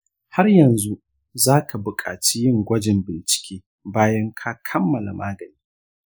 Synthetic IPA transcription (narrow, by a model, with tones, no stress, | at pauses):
ha˦rjɐ˨nzu˦ | zaː˦kʰa˨bʊ˨kʼa̰ː˨t͡ʃiː˦jɪ˦ŋɡʷɐ˦d͡ʒɪ˨mbɪ˨nt͡ʃɪ̥˨kʲeː˦ | baː˦jɐ˦ŋkʰa˦kʰɐ˦mːɐ˨la̰˨mʔaː˦ɡɐ˨niː˦